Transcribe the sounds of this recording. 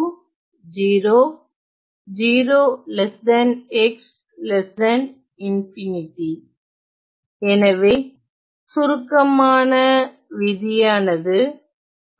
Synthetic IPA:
d͡ʒiːɾoː | d͡ʒiːɾoːlɛsdɐnɛks | lɛsɐn | ɪnfɪnɪʈi | ɛnɐʋeː | sʊɾɯkːɐmaːnɐ | ʋɪðɪjaːnɐðɯ

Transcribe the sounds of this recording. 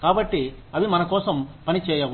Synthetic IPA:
kaːbɐʈːiɐʋimɐnɐkoːsɐmpɐnit͡ʃɛːjɐʋ

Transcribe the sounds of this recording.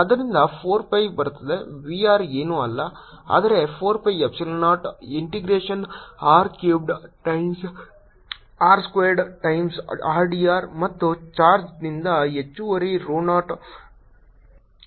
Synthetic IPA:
ɐd̪ɐɾind̪ɐpʰoːɾpɐjbɐɾut̪ːɐd̪e̞ʋiaːɾeːnuːɐlːɐ | a̰ːd̪ɐɾe̞pʰoːɾpɐjepsilonaːʈiɳʈiɡɾeːʂɐnaːɾkjuːp̚ɖʈɐjms | aːɾskʋeːɾɖʈɐjmsaːɾɖiːaːɾmɐt̪ːut͡ʃaːɾd͡ʒnind̪ɐet͡ʃːuʋɐɾiɾoːnaːʈ

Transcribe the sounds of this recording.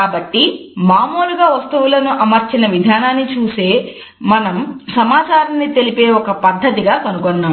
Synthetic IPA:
kaːbɐʈːimaːmoːluɡaːʋɐst̪uʋulɐnuʔɐmɐɾt͡ʃinɐʋid̪ʱaːnaːnːit͡ʃuːse̞ː | mɐnɐmsɐmaːt͡ʃaːɾɐnːit̪e̞lipe̞ːɔkɐpɐd̪ʱːɐt̪iɡaːkɐnukonːaːm

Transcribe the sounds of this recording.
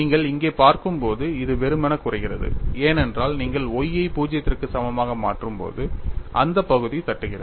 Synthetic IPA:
niːŋɡɐɭɪŋɡeːpaːɾkɯmpoːðɯɪðɯʋɛɾɯmɐnɐkʊrɐɪɣɪrɐðɯ̰eːnɛndraːlniːŋɡɐɭɔjːɐɪpuːd͡ʒɪjɐt̪ːɪrkɯsɐmɐmaːɣɐma̰ːʈrɯmpo̰ːðɯʔɐ̰nd̪ɐpːɐɣɯðit̪ɐʈːɯɣɪrɐð

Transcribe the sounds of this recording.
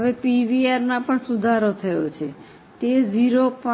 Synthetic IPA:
əʋepiʋiaɾnãpəɳsud̪ʱaɾot̪ʰəjot͡ʃʰe | t̪ed͡ʒiɾopã

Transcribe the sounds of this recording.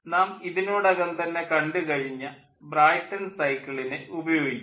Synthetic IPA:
naːmiðinoːɽɐɣɐnt̪ɐnːe̞kɐɳɖɨkɐɻiɲːɐ | braːjʈːɐnsɐjkːɐɭinɨʔubɐjo̞ːɡit͡ɕː

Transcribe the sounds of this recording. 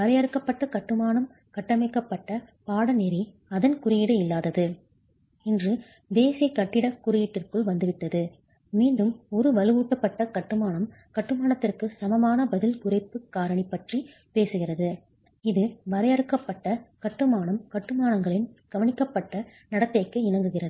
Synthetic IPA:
ʋɐɾɐjɐɾɯkːɐpːɐʈːɐkɐʈːɯmaːnɐm | kɐʈːɐmɐɪkːɐpːɐʈːɐ | paːɽɐneɾi | ɐðɐnkʊrɪjɪɽɯɪlːaːðɐðɯ | ɪndrɯ | d̪eːsɐkːɐʈːɪɽɐkːʊɾɪjɪʈːɪrkɯɭʋɐnd̪ɯʋɪʈːɐðɯ | miːɳɖɯmɔɾɯʋɐlɯɣuːʈːɐpːɐʈːɐkɐʈːɯmaːnɐm | kɐʈːɯmaːɳɐt̪ːɪrkɯsɐmɐmaːnɐbɐðɪlkʊrɐɪpːɯkːaːɾɐɳipːɐʈri | peːsɯɣɪrɐðɯ | ɪðɯʋɐɾɐjɐɾɯkːɐpːɐʈːɐkɐʈːɯmaːɳɐmkɐʈːɯmaːnɐŋɡɐɭɪnɡ̥ɐʋɐɳɪkːɐpːɐʈːɐ | nɐɽɐt̪ːɐɪkːɯɪnɐŋɡɯɣɪrɐðɯ

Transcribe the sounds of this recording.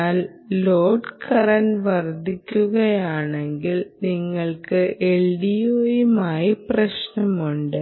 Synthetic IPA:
aːl | loːɖkʰɐrɐnʋɐrd̪ʱikʲːuɣɐjaːɳe̞ŋɡilniŋːɐɭkɨʔeɭɖijoːjumaːjɐprɐɕnɐmuɳɖɨ

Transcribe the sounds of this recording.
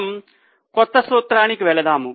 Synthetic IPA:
m | kɔt̪ːɐsʋoːt̪ɾaːnikiʋɛɭɐd̪aːmu

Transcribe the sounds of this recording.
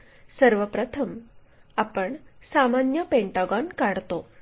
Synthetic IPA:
səɾʋəpɾət̪ʰəm | apəɳsamanjəpeɳʈaɡɔnkaɽt̪o

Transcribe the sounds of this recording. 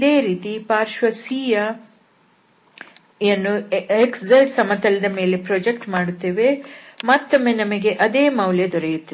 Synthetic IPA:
ɐd̪e̞ːɾiːt̪ipaːɾʃʋɐsiːjɐ | enːueksd͡zɐlʈsɐmɐt̪ɐlɐd̪ɐme̞ːle̞pɾoːd͡ʒekʈmaːɽut̪ːeːʋe̞mat̪ːɐmːe̞nɐmɐɡe̞ʔɐd̪e̞ːmɐwljɐd̪ɔɾejut̪ːi

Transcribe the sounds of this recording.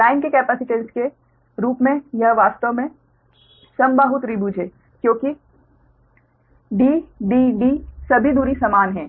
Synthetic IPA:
laːɪnkekɛːpɛːsɪʈənske | ɾuːpmẽjɐɦʋaːst̪əʋmẽ | sɐmbaɦʊt̪ɾibuːd͡ʒʱeː | kjõːki | ɖiːɖiːɖisɐbʱid̪uːɾisɐmaːnɦɛ̃ː

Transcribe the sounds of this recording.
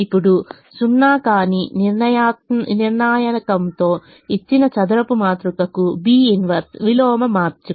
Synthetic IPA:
ipːuɽu | sunːaːkaːniniɾnɐjaniɾɳaːjɐnɐkɐnt̪o̞ː | it͡ʃːinɐt͡ʃɐd̪ɐɾɐpumaːt̪ɾukɐkubiːinʋɐɾt̪ʋilɔːmɐmaːɾt͡ʃu

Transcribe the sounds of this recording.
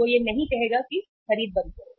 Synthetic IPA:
ojenɐɦĩkɐɦeːɡaki | xɐɾiːd̪̚bɐ̃ntɐ

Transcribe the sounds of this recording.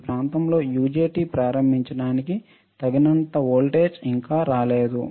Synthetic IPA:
pɾaːnt̪ɐmlo̞ːjuːd͡ʒeːʈiːpɾaːɾɐmbʱiɲt͡ʃɐɽaːniki | t̪ɐɡinɐnt̪ɐoːlʈeːd͡ʒiŋkaːɾaːle̞ːd̪u

